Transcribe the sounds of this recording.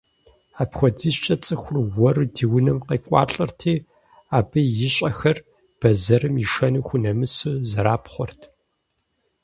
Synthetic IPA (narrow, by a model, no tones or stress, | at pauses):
aːpxʷɔdiːʃt͡ʃʼɐt͡sʼɨxʷʊrwɔrdiːwʊnɐmqeːkʷʼɑ̰ːɬʼɐrtʰiː | aːbɐjɪɕʼɐxɐr | b̥ɐzɐɾɨmiʂɐnuːxʷʊnɐmɨsɨzɐɾaːpχʷɔrtʰ